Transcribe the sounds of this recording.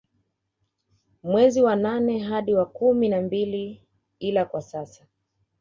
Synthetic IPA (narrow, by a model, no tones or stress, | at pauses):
mwɛziwananɛɦaɗiwakuminambili | ilakwasasa